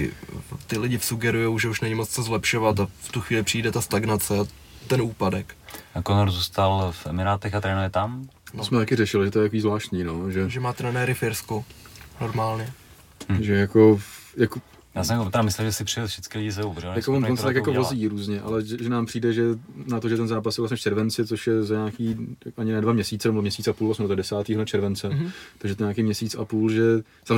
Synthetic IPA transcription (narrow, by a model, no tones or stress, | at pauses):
ɪ̰t̪ɪlɪɟɪfsuɡɛɾujowʒɛuʃnɛɲɪmot͡st͡sozlɛpʃovat̪aft̪uxʋiːlɪpr̥iːdɛt̪ast̪aɡnat͡sɛa | t̪ɛnuːpadɛkakonoɾzust̪alfʔɛmɪɾaːt̪ɛxat̪ɾɛːnujɛt̪amnsmɛt̪akɪɾɛʃɪlɪʒɛt̪ojɛt̪akoiːzvlaːʃt̪ɲiːnoʒɛʒɛmaːt̪ɾɛnɛɾɪfɪɾskuno̞ɾmaːlɲɛ | ʒɛjakojako | jaːsɛmot̪ɾamɪslɛlʒɛsɪpr̥ɪɛlfʃɪt͡skɪlɪɟɪsɛuvrɛjakovonont͡sɛt̪akjakovvoziːɾuːzɲɛʔa̰lɛʒɛʒɛnaːmpr̝̥iːdɛʒɛnat̪o̞ʒɛt̪ɛnzaːpasjɛvlas̬ɲɛft͡ʃʰɛɾvɛnt͡sɪt͡soʃjɛzaɲaːkiːkʔaɲɪnɛːdvamɲɛsiːtt͡sɛnbomɲɛsiːt͡sʔapuːlvasmɛdododɛsaːt̪iːɦt͡ʃʰɛɾvɛnt͡sɛt̪aɡʒɛt̪oɲaːkiːmɲɛsiːt͡sa̰puːlʒɛ | z̥a